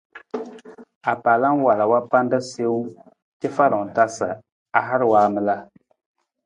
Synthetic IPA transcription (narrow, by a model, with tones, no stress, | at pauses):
a˨paː˨la˦n˦wa˨la˨wa˦pa˦n˦dɨ˦se˦u˦ | kɛ˦fa˦ɾɨ˨ŋ̩˨ta˦sɨ˨ | a˨ɦa˦ɾɨ˦waː˦mɨ˦la˦